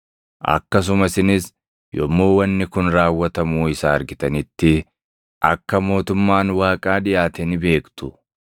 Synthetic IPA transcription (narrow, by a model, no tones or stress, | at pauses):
ʔɐ̰kːɐs̬ʊmɐsɪnɪs | jɔmːoːwɐnːɪkʊnɾaːwːɐt̪ɐmuːɪsaːɐɾɡɪt̪ɐnɪt̪ːɪ | ʔɐkːɐmo̞ːt̪ʊmːaːnwaːkʼaːᶑɪjaːt̪ɛnɪbe̞ːkt̪ʊ